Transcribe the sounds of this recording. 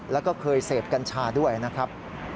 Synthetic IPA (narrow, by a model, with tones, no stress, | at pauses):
lɛː˦˥wkɔː˥˩kʰɤː˧jseː˨˩p̚ka˧nt͡ɕʰaː˧du˥˩əjna˦˥kʰɾa˦˥p̚